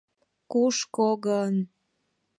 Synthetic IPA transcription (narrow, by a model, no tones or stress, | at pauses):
kuʃkoɣən